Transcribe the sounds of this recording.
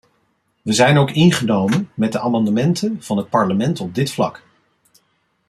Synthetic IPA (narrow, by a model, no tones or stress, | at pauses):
ʋəzɛjnowkɪnχənowmənmɛt̚dəʔaːmɑndəmɛntʰənv̥ɑnɦət̚pɑɹləmɛntɔb̚dɪtflɑ̰k